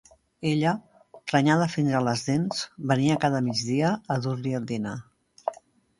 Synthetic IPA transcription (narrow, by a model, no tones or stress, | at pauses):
eʎə | t̪ɾəɲaðəfinzələzðenz̥βəniəkaðəmid͡ʒðiəːðuɾliəlˠd̪ina